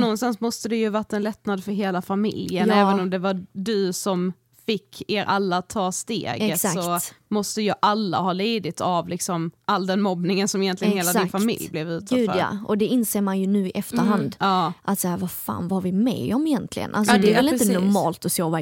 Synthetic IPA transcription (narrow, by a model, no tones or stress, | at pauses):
nɔnst̪ansmɔst̪əd̪ɛjɵvaʈːaɛnlɛt̪nad̪fœɾɦeːlafamɪ̰ljənɛːvənɔmd̪ɛvadɵsɔm | fɪkʰːeɾʔalːat̪ʰɑːst̪ḛːɡət̪ssɔmɔst̪əjɑʔalːa̰hɑːliːd̪ɪt̪avlɪksɔmʔalːd̪ɛnmɔbnɪŋənsɔmɛjɛnt̪lɪɡnnheːladsɪnfamɪ̰ljblɛvʉ̟ːt̪ʰʉːdfœa̰ʔɔd̪ɛɪnseːɾmanjɵnʉ̟ːɪʔɛft̪əɾɦand̪ɑːʔat̪sahæːɾvafa̰ːnvahaɾvɪmɛ̰ɔmɪjɛnt̪ʰlɪ̰ɡə̰nʔalsɔd̪ɛːɾɛlɪnt̪ənʊɾɾmɑ̰ːlt̪ɔsoːva